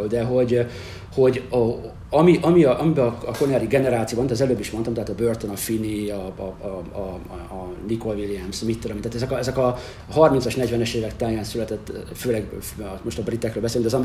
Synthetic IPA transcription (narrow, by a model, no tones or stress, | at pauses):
ld̪ɛɦo̞ɟ | ho̞ɟ | ɒmiʔɒmiɒʔɒmibɛːɒkonaːɾiɡɛnɛɾaːt̪sijobɒnt̪ɒzɛløːbːiʃmont̪ɒmt̪ɛɦaːt̪ɒbørt̪onɒfiniɒ | niko̞lvilijɛmsmit̪ːod̪ɑmit̪at̪ɛzɛkɒɛzɛkɒ | hɒrminsɒʃnɛɟvɛnɛʃeːvɛkt̪aːjaːnsylɛt̪ɛt̪ːføːlɛɡmo̞ʃt̪ɒbrit̪ːɛkɾøːlbɛseːlyŋɡd̪ɒzɒm